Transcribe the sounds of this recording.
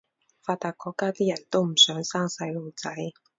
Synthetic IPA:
faː˧t̪aː˧kːɔː˧kːaː˥t̪iː˥jɐ˨˩nt̪o˥wm̩˨˩sœː˨˥ŋsaː˥ŋsɐ˧jlo˨˧wt͡sɐ˨˦˥j

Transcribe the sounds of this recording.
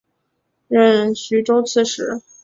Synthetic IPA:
ɻə˥˩nɕy˧˥ʈ͡ʂo˥ʊt͡sʰɹ̩˥˩ʂɻ̩˧˥˦

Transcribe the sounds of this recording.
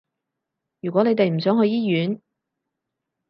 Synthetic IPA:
jy˨˩kʷɔ˨˥ne˨˧jt̪e˨jm̩˨˩sœː˨˥ŋɦɵ˧ɥjiː˥jyː˨˥n

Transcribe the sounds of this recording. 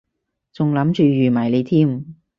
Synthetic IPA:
t͡sʊ˨ŋlɐ˨˥mt͡ʃyː˨jyː˨˩maː˨˩jle˨˧jt̪ʰiː˥˩m

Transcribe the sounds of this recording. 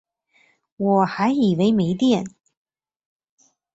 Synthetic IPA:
wɔ˨˩xa˧˥ɪi˨˩we˧˥ɪme˧˥ɪt̪jɛ˥˩n

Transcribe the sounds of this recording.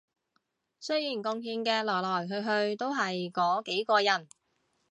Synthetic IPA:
sɵ˥ɥjiː˨˩nkʊ˧ŋɦiː˧nkɛː˧lɔː˨˩jlɔː˨˩jɦɵ˧ɥɦɵ˧ɥt̪o˥wɦɐ˨jkɔː˨˥ke˨˥jkɔː˧jɐ˨˩n

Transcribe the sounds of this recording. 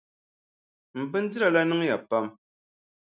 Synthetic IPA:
m̩˨bɨ˦n̩˦di˦ɾa˨la˦nɨ˦ŋ˦ja˨pa˦m

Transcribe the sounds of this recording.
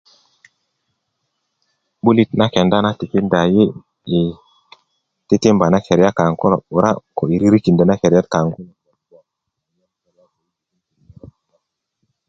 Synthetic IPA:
ɓu˦li˦˨tna˦kɛ˨nda˦na˦ti˨ke˦nda˨je˦ | e˨ | te˦te˦mba˨na˦ke˨ɾja˦ka˨ŋkɔ˦lo̰˨u˨ɾa̰˦ko˨i˨ɾi˦ɾi˦ki˨ndɔ˨na˦ke˨ɾja˦t̚ka˨ŋɡu˦n˨˦a˨˦˨ | a˦u˦˨a˦

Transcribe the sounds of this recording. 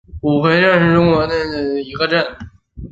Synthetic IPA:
u˨˩xʰwe˧˥ɪʈ͡ʂa˥˧nʂɻ̩˥˧ʈ͡ʂʊ˥˩ŋwə˧˥d̪ə˥˧i˧˥ɡə˧ʈ͡ʂə˥˩n

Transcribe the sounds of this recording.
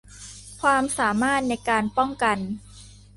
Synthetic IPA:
kʰwaː˧msaː˩˦maː˥˩t̪̚na˧jkaː˧npɔ˥˩ŋka˧n

